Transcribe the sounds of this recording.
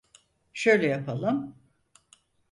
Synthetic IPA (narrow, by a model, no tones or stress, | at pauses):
ʃø̞jlʲɛjapʰalˠɯm